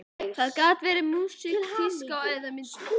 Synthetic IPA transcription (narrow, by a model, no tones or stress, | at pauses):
kaðkaːt̪vɛːɾɪmuːsikkfɪskawɛːjðamɪnt̪